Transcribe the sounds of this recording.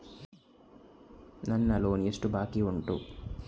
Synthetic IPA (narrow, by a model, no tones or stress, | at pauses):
nɐnːɐloːniesʈubaːkiuɳʈṵ